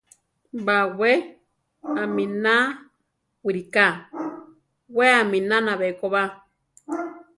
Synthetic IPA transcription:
bawe | amĩna | wiɾika | weamĩnãnaβekoβa

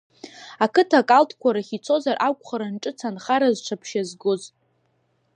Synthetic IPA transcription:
akʰɨtʰakʼaltʰkʷaɾaχit͡sʰo̞zarʔakʷʼχaɾanʈ͡ʂʼɨt͡sʰanχaɾazʈ͡ʂʷʰapʰʃazɡʊz

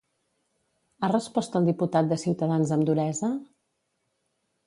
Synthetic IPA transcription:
arəspɔst̪əlˠd̪iput̪at̪̚d̪əsiwt̪əðanzəmd̪uɾɛzə

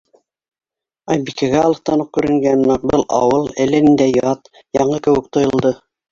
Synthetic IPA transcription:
ɑjbikæɣæɑlˠɤ̆qt̪ɑnoq̚kʉɾɘ̆ŋɡænnɑbɤlˠʔɑ̰wɤlˠælænɘ̆nd̪æjɑt̪ | jɑɴɤkɘ̆wɘk̚t̪ŏjŏlˠd̪ɤ

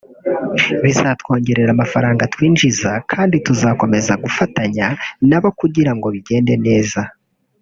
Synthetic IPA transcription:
βizaːtwo̞ːɲɟe̞ɾe̞ɾamafaɾaːŋɡatwiːnʒizakʰaːndituzaːko̞me̞zaɡufataɲanaβokuɟiɾaŋɡo̞βiɟe̞ːnde̞ne̞ːza

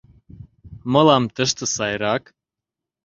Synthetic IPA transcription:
mɤ̆lɑmt̪əʃt̪ə̆sɑjɾɑk

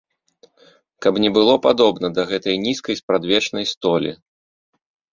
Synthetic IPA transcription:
kɐbnʲɛbɨlˠɔpad̪ɔbnɐd̪ɐɣɛt̪ɐjnʲiskɐjspɾad̪vʲɛt͡ʂnɐjst̪ɔlʲḭ

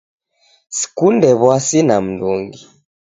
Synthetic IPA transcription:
si̥kundɛβwasinam̩nduŋɡi

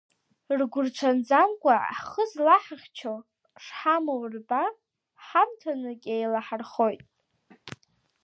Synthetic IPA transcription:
rɡʷʊrʈ͡ʂʷʰand͡zamkʷʼaχəzlaħaχʲt͡ʃʰo | ʂħamorba | ħamtʰanɨkʲʼejlaħarχo̞jtʼ

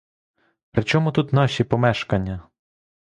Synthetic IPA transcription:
pɾɪt͡ʃɔmʊt̪ut̪nɑʃipɔmɛʃkɐnʲːɐ

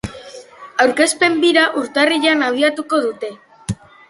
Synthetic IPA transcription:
awɾke̞spe̞mbiɾaʔuɾt̪ariʎanaβ̞iat̪uko̞ð̞ut̪e̞

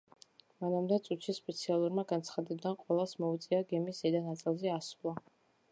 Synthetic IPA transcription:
manamd̪ɛt̪sʼut̪ʃispʼɛt̪sʰialˠuɾmaɡant̪sʰχad̪ɛbd̪anqʼwɛlˠasmɔut̪sʼiaɡɛmiszɛd̪anat̪sʼilˠzɛasulˠa

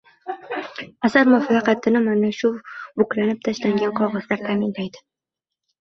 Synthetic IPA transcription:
asaɾmafɑqɑt̪ʰɪnɪmanaʃʊbʊklanɪp̚t̪ʰaʃlaŋɡʲanqʰɒʁɑz̥laɾt̪ʰaːmɪnlajd̪ɪ̥

